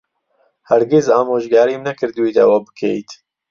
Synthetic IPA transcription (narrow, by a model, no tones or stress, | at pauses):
hæɾɡɪzaːmoːʒɡaːɾimnɐkɨɾd̪ɨwid̪ɐ̰wɐbɨkʰejt̪